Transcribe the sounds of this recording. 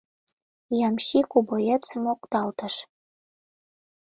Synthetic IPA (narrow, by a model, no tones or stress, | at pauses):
jɑmʃikubojet͡sɨmokt̪ɑlt̪ə̆ʃ